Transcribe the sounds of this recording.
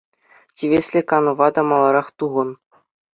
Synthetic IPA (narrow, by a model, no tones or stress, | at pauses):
tʲiʋʲesʲlʲĕkɑnɤ̆ʋɑd̪ɑmɑlˠɑɾɑχt̪uʁɤ̆n